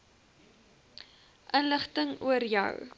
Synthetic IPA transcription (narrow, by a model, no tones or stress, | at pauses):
ʔənləχtəŋuəɾjœ̰w